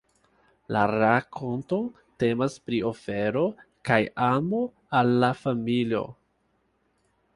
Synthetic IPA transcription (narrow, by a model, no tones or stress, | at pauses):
laɾakʰo̞nto | te̞maspɾio̞fe̞ɾo̞ | kajamo̞ | alːafamilio̞̰